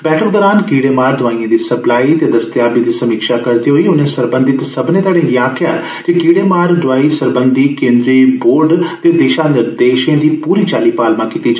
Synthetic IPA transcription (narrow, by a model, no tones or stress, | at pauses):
bɛːʈəkd̪ɔːɾaːnkiːɽeːmaːɾd̪ʊʋaːĩːãːd̪iːsəplaːiːt̪eːd̪əst̪jaːbiːd̪iːsəmiːkʃaːkəɾd̪iːɦoiːʊnẽːsəɾbə̃nd̪ɪt̪səbnẽːt̪aːɽẽːjãːkʰɪjaː | kikiːɽeːmaːɾɖʊʋaːiːsəɾbənd̪iːkẽːnd̪ɾiːboːɾɖt̪eːd̪eːʃãːnɪɾd̪eːʃẽːd̪iːpuːɾiːt͡ʃaːliːpaːlmãːkiːt̪iːd͡ʒa